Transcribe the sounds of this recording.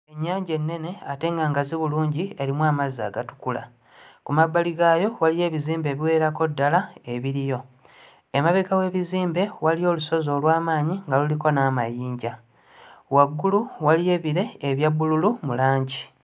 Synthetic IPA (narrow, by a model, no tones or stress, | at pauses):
e̞ɲːaːɲɟe̞nːe̞ne̞ate̞ŋɡaːŋɡaziβuluːɲɟieɾimwaːmaza̰ːɡatu̥kula̰ | kumabːaliɡaːjo̞walije̞ːβiziːmbe̞ːβiwe̞ːɾako̞dːalae̞βiɾijo̞ | emaβeɡawe̞ːβiziːmbe̞walijo̞ːluso̞zo̞ːlwaːmaːɲiŋɡaluliko̞naːmajiːɲɟa | waɡːuluwalije̞βiɾe̞ːβjabːululumulaːɲɟi